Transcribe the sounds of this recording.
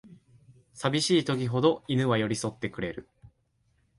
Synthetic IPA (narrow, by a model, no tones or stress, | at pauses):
sabʲiɕiːt̪o̞k̬ʲiɦo̞d̪o̞inɯ̟βajo̞ɾʲiso̞t̪ːe̞kɯ̟ɾe̞ɾɯ̟